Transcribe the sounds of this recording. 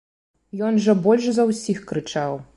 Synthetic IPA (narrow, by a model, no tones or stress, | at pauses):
jɔnʐɐbɔlʲʂzɐwsʲixkɾɨt͡ʂaw